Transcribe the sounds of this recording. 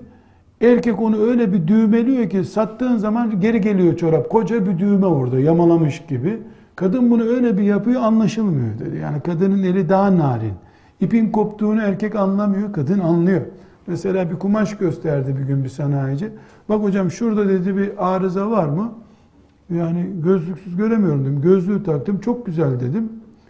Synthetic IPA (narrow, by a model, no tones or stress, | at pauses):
æɾcɛco̞nuø̞jlʲɛbid̪yːme̞lʲijo̞cisat̪ːɯːnzamanɟe̞ɾiɟe̞lʲijo̞t͡ʃʰoɾap̚ko̞d͡ʒabid̪yːmɛbuɾd̪ajamalˠamɯʃɟibi | kʰad̪ɯnbunuø̞jlʲɛbijapɯjoanlˠaʃɯlˠmɯjo̞d̪ed̪ḭja̰ːnikʰad̪ɯnɯne̞lʲid̪aɦanaːɾḭn | ipinko̞pt̪ʰuːnuæɾcʰɛcanlˠamɯjo̞kad̪ɯnanlˠɯjo̞ | mɛse̞lʲaːbikumaʃɟø̞st̪ʰæɾd̪ibiɟynbisanaːjid͡ʒi | b̥ako̞d͡ʒamʃuɾd̪ad̪e̞d̪ibiʔaːɾɯzavaɾmɯ | jaːniɟø̞zlʲycʲsyzɟø̞ɾe̞mijo̞ɾumd̪eimɟø̞zlʲyːt̪ʰak̚t̪ɯmt͡ʃʰo̞k̚ɟyzælʲd̪e̞d̪im